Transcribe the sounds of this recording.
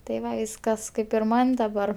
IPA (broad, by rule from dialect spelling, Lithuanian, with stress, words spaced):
tɐɪ ˈʋɐ ˈkɐs ˈkɐɪp ɪr ˈmɐnʲ dɐˈbɐr